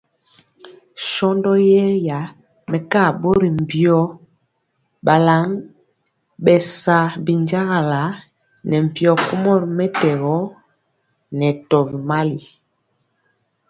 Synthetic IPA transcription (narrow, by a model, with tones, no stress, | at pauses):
ʃɔ˦ndɔ˦jɛ˦ja˨˦ | mɛ˨ka˦˨bo˦ɾi˨m˨pjɔ˦ | ɓa˨la˨˦ŋ | bɛ˨sa˨bi˨nd͡ʒa˦ɣa˨la˨˦ | nɛ˨m̩˨pjɔ˨ku˦mɔ˦ɾmɛ˦tɛ˨ɣɔ˦ | nɛ˨tɔ˨bi˨ma˦li˨